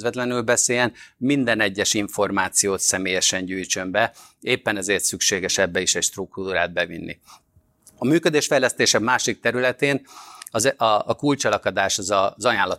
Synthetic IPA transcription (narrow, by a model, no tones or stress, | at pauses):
zʋɛt̪lɛnylbɛseːjɛnmind̪ɛnɛɟːɛʃiɱfo̞rmaːt̪sijoːt̪sɛmeːjɛʃɛɲɟyːjt͡ʃømbɛ | eːpːɛnɛzeːrt̪sykʃeːɡɛʃɛbːɛiʃɛcʃt̪ruk̚t̪uɾa̰ːd̪̚bɛvḭnːḭ | ɒmyːkød̪eːʃfɛjlɛst̪eːʃɛmaːʃik̚t̪ɛɾylɛt̪eːn | kult͡ʃɛlɒkɒd̪aːʃɒzɒzɒjaːnlɒt̪